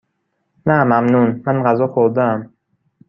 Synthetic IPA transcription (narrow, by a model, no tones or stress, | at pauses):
næmæmnunmænɢæzɒːxoɾd̪eæm